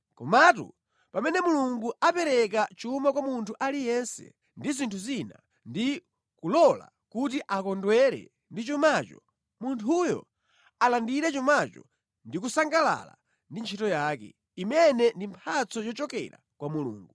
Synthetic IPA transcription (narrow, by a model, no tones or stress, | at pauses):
kɔmatṵ | pamɛnɛmuluŋɡuapɛɾɛkat͡ʃumakwamuntʰuʔalijɛnsɛ̰ | ndizintʰuzina̰ | ndi | kulɔla̰ | kut̬iʔakɔndwɛɾɛ̰ | ndit͡ʃumaːt͡ʃɔ | muntʰujɔ̰ | alandiɾɛt͡ʃumat͡ʃɔ̰ | ndik̬usaŋɡala̰la̰ | ndint͡ʃʰitɔjaːkɛ̰ | imɛnɛndimpʰat͡sɔjɔt͡ʃɔkɛ̰ɾa̰kwamulṵːŋɡu